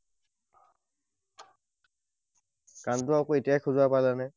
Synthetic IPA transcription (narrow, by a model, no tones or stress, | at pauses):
kantʊakoetijajkʰuzuapalɛnɛ